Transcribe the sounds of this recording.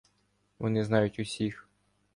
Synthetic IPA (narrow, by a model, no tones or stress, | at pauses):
ʋɔnɪznɑjʊtʲʊsʲix